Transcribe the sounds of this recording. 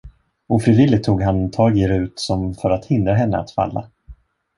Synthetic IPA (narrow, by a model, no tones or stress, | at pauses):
ɔfɾiːvɪlːɪt̪ʰːuːɡɦant̪ʰɑːɡeɾʉ̟ːt̪sɔmfœɾat̪hɪnd̪ɾaɦɛnːə̰a̰t̪fa̰lːa̰